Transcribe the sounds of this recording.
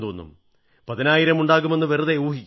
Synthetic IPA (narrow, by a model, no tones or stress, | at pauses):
d̪uʋonːṵm | pɐðinaːjiɾɐmuɳɖaːɣume̞nːɨʋeruðeuːɦikʲː